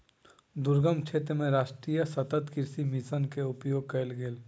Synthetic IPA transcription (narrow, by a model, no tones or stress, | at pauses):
d̪ʊɾɡəmt͡ʃʰeːt̪ɾəmẽɾaːʃʈɾijəsət̪ət̪kɪɾsimisənkeʊpjoːɡ̚kəlɡeːl